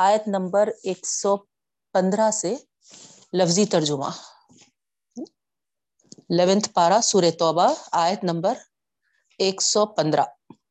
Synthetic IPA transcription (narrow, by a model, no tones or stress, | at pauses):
aːjət̪nɐ̃mbəɾeːksɔː | pɐ̃nd̪ɾase | lɐfzit̪ɐɾd͡ʒʊmã̰ | leʋɪ̃nt̪ʰpaːɾasuːɾet̪ɔːbaaːjət̪nɐ̃mbəɾ | eːksɔpɐ̃nd̪ɾa